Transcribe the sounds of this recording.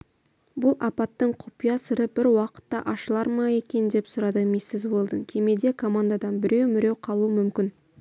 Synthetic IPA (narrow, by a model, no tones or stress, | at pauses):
bʊlˠɑpɑt̪ːəɴqʰʊ̥pijɑsəɾəb̥ɪɾwɑqə̥t̪ːɑ̰ʔɑʃəlˠɑɾmɑje̞kʲe̞nd̪e̞psʊɾɑd̪əmesːɪzwo̞lˠd̪əŋkʲʰe̞me̞d̪e̞kʰomand̪ad̪ɑnbɪɾe̞wmɪɾe̞wqʰɑlˠuəmʏmkʲɪn